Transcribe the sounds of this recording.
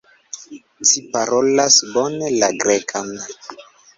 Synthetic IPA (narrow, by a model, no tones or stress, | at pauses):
t͡ʃipaɾolasbonelaɡɾekʰan